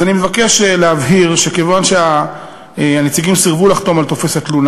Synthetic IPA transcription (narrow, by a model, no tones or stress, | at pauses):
animevakeʃeleavɦiʁʃe̞ke̞vanʃea | anet͡siɡimsiʁvulaχt̪o̞malt̪o̞fe̞sat̪lun